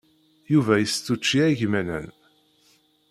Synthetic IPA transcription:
juvæjəst̪ːut͡ʃːiæʝmænæ̰n

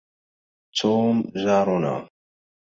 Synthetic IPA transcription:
t͡sʰomzaɾona̰

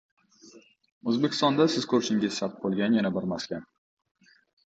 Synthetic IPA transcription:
ɵzbekʲɪ̥st̪ɒnd̪asɪz̥kʰɵɾʃɪŋʲɪzʃat̪̚bolˠɡʲanjanabɪɾmaskʲan

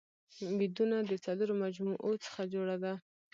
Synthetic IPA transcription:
wid̪unad̪ət͡saləɾomad͡ʒmuʔot͡sə̥xad͡ʒoɽad̪a

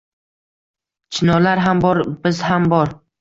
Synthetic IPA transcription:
t͡ʃʰɪnɒlaɾɦambɒɾbɪzhambɒɾ

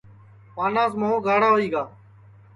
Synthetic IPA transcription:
paːnãːs̬moːõːɡaːɽaːɦoːiːɡaː

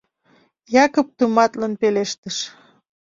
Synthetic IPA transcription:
jɑkop̚t̪umɑt̪lənpeleʃt̪əʃ

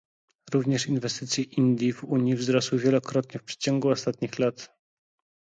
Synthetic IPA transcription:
ɾuvɲɛʂinvɛst̪ɘt̪sʲjɛʔind̪ʲjivuɲjivzɾɔswɘvʲjɛlɔkɾɔt̪ɲɛfpʂɛ̥t͡ɕɔŋɡuɔst̪at̪ɲixlat̪

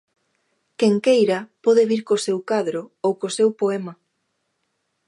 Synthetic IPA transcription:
keŋkejɾɐpɔðeβiɾkosewkaðɾoowkosewpoemɐ

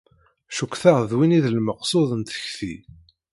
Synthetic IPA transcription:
ʃukʷːθaʁðwiniðəlməqsˤoðˤənt̪ə̥çθḭ

